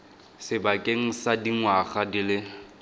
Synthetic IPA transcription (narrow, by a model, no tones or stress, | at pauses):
sɪbakʼeŋ̩sadiŋwaχadilɪ